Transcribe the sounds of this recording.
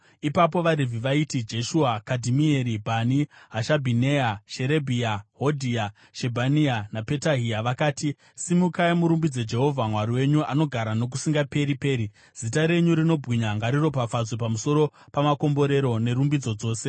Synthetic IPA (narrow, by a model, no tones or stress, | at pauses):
ipap̬o̞ʋaɾivʱiʋaitid͡ʒe̞ʃuakadʱimie̞ɾibʱaniɦaʃabʱine̞aʃe̞ɾe̞bʱiaɦo̞dʱia | ʃe̞bʱanianape̞taɦiaʋakaːti | simukaimuɾumbid͡ze̞d͡ʒe̞ɦo̞vʱamwaɾiwe̞ɲuano̞ɡʱaɾano̞k̬usiŋɡape̞ɾipe̞ːɾi | z̥itaɾe̞ɲuɾino̞bʱɣiɲaŋɡaɾiro̞pafazwepamuso̞ɾo̞pamako̞mbo̞ɾe̞ɾo̞ne̞ɾumbid͡zo̞d͡zo̞ːse̞